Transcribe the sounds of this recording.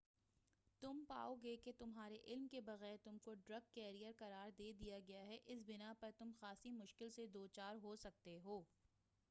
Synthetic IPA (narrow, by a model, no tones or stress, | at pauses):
t̪ʊmpa̰ːoɡeːket̪ʊmɦaːɾeʔɪlmkebɐɣɛːɾt̪ʊmkoɖɾɐɡ̚kɛːɾijəɾkɐɾaːɾd̪eːd̪ijaɡɐjaɦɛʔɪs̬bɪnapɐɾt̪ʊmxaːsimʊʃkɪlsed̪oːt͡ʃaːɾɦosɐk̚t̪eɦoː